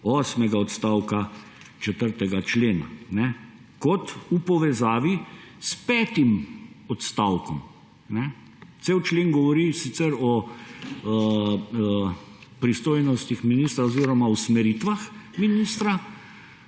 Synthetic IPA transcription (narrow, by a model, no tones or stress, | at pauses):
ɔːsmɛɡaɔt̪st̪aːwka | t͡ʃɛt̪əɾt̪ɛɡat͡ʃleːna̰nɛ | kɔt̪upɔʋɛzaːʋispɛːt̪imɔt̪st̪awkɔm | nɛ | t̪sewt͡ʃleːŋɡɔʋɔɾisit̪sɛɾɔ | pɾist̪oːjnɔst̪ixminiːst̪ɾaoziːɾɔmausmɛɾit̪ʋaxminist̪ɾa